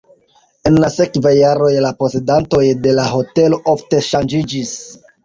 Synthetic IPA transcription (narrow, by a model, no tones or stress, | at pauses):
e̞nlase̞kvajːaɾo̞jlapo̞se̞danto̞jde̞laɦo̞te̞lo̞ʔofte̞ʃand͡ʒid͡ʒis